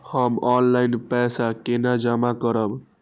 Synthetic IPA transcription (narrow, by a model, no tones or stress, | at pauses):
həmɔnlainpɛsakenad͡ʒamakəɾəb